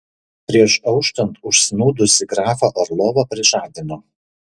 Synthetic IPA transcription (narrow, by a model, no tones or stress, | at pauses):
pʲɾʲiɛʃɐʊkʃt̪ɐnt̪ʊʃsʲɪnuːd̪ʊsʲɪɡɾɑːfɐʔɐɾlˠoːʋɐpʲɾʲɪʒɑːd̪ʲɪnoː